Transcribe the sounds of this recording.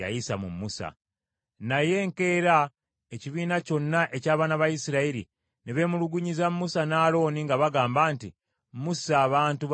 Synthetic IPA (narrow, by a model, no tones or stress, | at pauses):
a̰jisamumːusa̰ | naje̞ŋke̞ːɾa | eciβiːnaco̞nːaʔe̞caːβaːnaβajisiɾaiɾi | neβe̞ːmuluɡuɲizamːusanaːlo̞ːniŋɡaβaɡaːmbaːnti | musaːβaːntuβ